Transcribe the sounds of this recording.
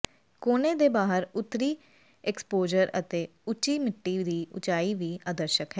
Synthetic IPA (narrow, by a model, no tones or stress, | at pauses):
koːneːd̪eːbaːɦəɾʊt̪ɾiː | ɛkspoːd͡ʒəɾə̰t̪eː | ʊt͡ʃiːmɪʈːiːd̪iːʊ̰t͡ʃaːiːʋiːaːd̪əɾʃəkɦɛː